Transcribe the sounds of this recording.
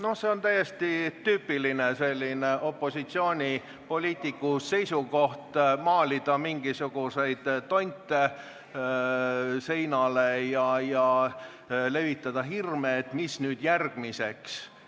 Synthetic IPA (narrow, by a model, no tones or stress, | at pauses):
no̞hse̞ont̪æje̞st̪it̪yːpːˑilinese̞lʲːineʔo̞pːˑo̞sit̪sio̞ːnʲi | po̞lʲiːt̪ˑikːˑuse̞jsuko̞ht̪mɑːlʲid̪̥ɑmiŋɡ̥isuɡ̥use̞jd̪̥t̪ːo̞nʲt̪ːˑe | se̞jnɑle̞jɑjɑ | le̞vit̪ˑːɑd̪̥ɑɦirmeːt̪ːmisnyːd̪̥jærɡ̥mise̞ks